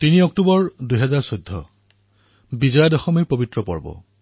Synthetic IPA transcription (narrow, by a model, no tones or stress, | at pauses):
tiniɔk̚tubɔɹduɦɛzaɹsojdʱːɔ̰ | bizɔjadɔxɔmiɹpobitɹɔpɔ̰ɹbɔ̰